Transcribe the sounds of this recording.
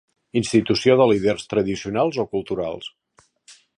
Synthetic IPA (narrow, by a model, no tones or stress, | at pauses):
inst̪it̪usioðəliðɛrst̪ɾəðisiunalˠzokulˠt̪uɾa̰lˠs